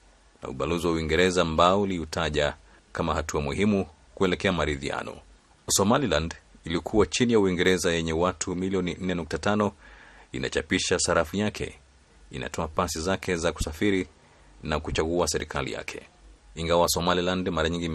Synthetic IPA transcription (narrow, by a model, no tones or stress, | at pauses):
na̰ṵɓaluziwauwiŋɡɛɾɛzaːmbaɔuliutʰaʄa | kamahatuamuhimu | kuɛlɛkɛamaɾiðia̰nɔ̰ | sɔmalilandilikʰuwat͡ʃinijauiŋɡɛɾɛzajɛɲɛwatʰumilijɔnin̩nɛnuk̚tatanɔina̰t͡ʃapiʃasaɾafujakʰɛ̰ | ina̰tʰɔapasizakʰɛzaku̥safiɾi | nakut͡ʃaɣuasɛɾḭkʰalḭja̰kʰɛ̥̰iŋɡawasɔmalilandmaɾaɲiŋɡi